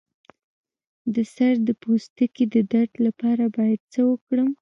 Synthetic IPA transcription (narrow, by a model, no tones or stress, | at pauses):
d̪əsaɾd̪əpost̪aked̪əd̪aʈlapɑɾabɑjad̪̚t͡səwəkɽəm